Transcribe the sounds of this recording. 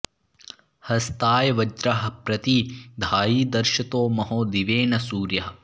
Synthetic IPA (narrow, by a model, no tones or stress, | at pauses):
hɐst̪aːjɐʋɐd͡ʒɾɐɦɐ̆pɾɐt̪id̪ʱaːjiːd̪ɐɾʃɐt̪oːmɐɦoːd̪iʋeːnɐsuːɾjɐɦɐ